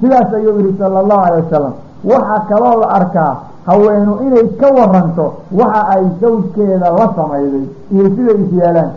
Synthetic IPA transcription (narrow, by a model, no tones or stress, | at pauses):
sɪðaːsɐjuwjɪɾɪsɐlːɐlːɑːhʊʕɑlɛjwɐsɐlːɐ̰m | wɑħɑkʰɐlɔːlɐʔɐrkʰaː | hɐwɛːnʊʔɪnɛjkʰɐwɑrɐnt̪ʰɔwɑħɑʔɛjd̪ɐwd̪kʰɛːðɐlɐsɐmɛjðɛj | ijɔsɪðɛjɪsjaːlaːn